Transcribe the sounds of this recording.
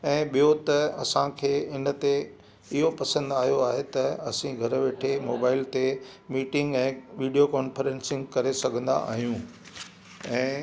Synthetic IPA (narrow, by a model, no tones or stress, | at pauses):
ɛ̃ːɓijot̪ɐɐsãkʰeːɪnə̆t̪e | ɪɦopɐsə̃nd̪aːɦijoaːɦet̪ɐɐsĩɡʱɐɾʋeːʈʰemoːbaːɪlt̪e | miːʈɪ̃ŋɡɛ̃ːʋiːɖijokɔːnfəɾẽːnsɪ̃ŋɡkɐɾesɐɡʱə̃nd̪a̰ʔa̰ːɦijũ | ɛ̃ː